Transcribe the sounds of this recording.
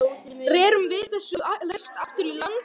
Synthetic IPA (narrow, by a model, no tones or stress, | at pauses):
rɛːɾʏmvɪðθɛsːʏalɛst̪aft̪ʏɾilant̪